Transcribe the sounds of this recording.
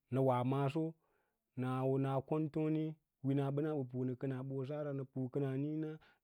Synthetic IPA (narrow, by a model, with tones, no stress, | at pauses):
nə˨wa˨ma˦s̬o˦ | na˨wna˨ko˦nto˦ni˦ | wi˦na˨ɓə˦na˦ɓə˨p̬u˨nə˨kə˦na˨ɓo˨s̬a˦ɾa˨nə˨pu˨kə˦na˨ni˦na˦